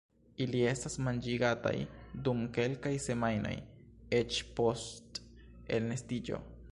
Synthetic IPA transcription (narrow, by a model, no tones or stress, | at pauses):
ilie̞stasmand͡ʒiɡata̰jdumke̞lkajse̞majno̞̰je̞t͡ʃpo̞st | e̞lne̞stid͡ʒo̞̰